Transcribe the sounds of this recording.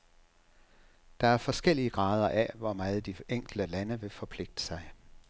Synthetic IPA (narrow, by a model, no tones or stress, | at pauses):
d̥ɑ̈æɐfɒ̽sɡ̥el̰iəɡ̥ʁɑ̈ːð̞ˠɐʔæʋɒmɑːð̞̩ˠəd̥ieŋ̰ɡ̥l̩d̥əlænəʋe̝fɒ̽pʰle̝ɡ̥̚d̥ə̥sɑ̈ɪ